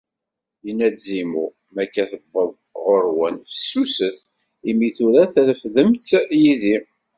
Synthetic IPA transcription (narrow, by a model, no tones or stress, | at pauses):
jənːæzimu | mækːæθəbːəðˤ | ʁoɾwənfə̥sːusəθ | imiθuɾæθləfðəmtːjiði